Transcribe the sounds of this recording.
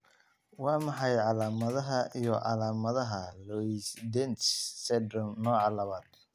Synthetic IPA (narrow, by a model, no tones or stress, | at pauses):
wɑːmɑħɑjʕɑlaːmɐðɐɦɐʔijɔʕɑ̰laːmɐðɐɦɐlɔisd̪ɛnt̪ssɛd̪rɔmnɔːʕɑlɐmaːd̪̥̚